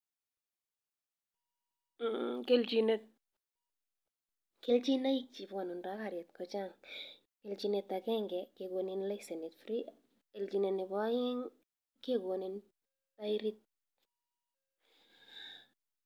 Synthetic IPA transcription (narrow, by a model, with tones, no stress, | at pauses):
ke˦ld͡ʒi˦ne˦t̚ | ke˦ld͡ʒi˦na˦ji˦k̚t͡ʃi˨bwa˨nu˨nɾa˦ka˨ɾjɛ˨t̪kɔ˨t͡ʃa˦˨ŋ | ke˨ld͡ʒi˨ne˨t̪ːa˨kɛ˦ŋɡɛ˨ke˨ɡwo˨ni˦nlɛ˦kse˨ne˨tfɾi˦ | e˨ld͡ʒi˨ne˨ne˨bɔ˦a˦jɪ˦ŋ | ke˦ɡwo˨ni˨n | ta˦iɾi˦t̪̚